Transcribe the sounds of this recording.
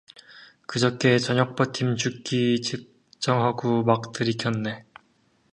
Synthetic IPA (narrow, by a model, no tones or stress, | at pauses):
kɯd͡ʑʌk͈e̞t͡ɕʌɲʌk̚p͈ʌtʰimt͡ɕuk͈it͡ɕip̚ | t͡ɕ͈ʌŋɦaɡumak̚t͈ɯɾikʰjʌnːe̞